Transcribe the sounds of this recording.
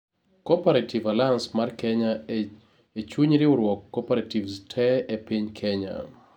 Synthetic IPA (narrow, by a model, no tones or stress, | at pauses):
kɔpaɾatʰivalaansmarkɛɲa | et͡ʃuɲɾɪʊɾwɔkːɔpaɾativstʰɛepiɲkʰɛɲa̰